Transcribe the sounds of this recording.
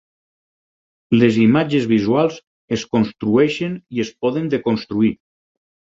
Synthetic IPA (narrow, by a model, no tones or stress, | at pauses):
lezimad͡ʒezβizwalˠz | eskonst̪ɾuɛʃeniespɔðend̪ekonst̪ɾui